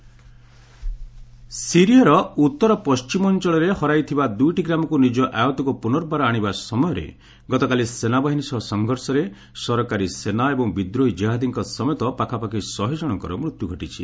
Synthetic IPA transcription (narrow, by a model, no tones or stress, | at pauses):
siɾijɔɾɔut̪ːɔɾɔpɔst͡ʃimɔɔnt͡ʃɔɭɔɾehɔɾajt̪ʰibad̪ujʈiɡɾamɔkunid͡ʒɔʔajɔt̪ɔkupunɔɾbaɾɔaɽ̃ibasɔmɔjɔɾḛ | ɡɔt̪ɔkalisenabɔɦinisɔɦɔsɔŋɡʱɔɾsɔɾe | sɔɾɔkaɾisenaebɔŋbid̪ɾoid͡ʒeɦad̪iŋkɔsɔmɔjɔt̪ɔpakʰapakisɔɦid͡ʒɔɽ̃ɔŋkɔɾɔmɾut̪juɡʱɔʈit͡ʃʰḭ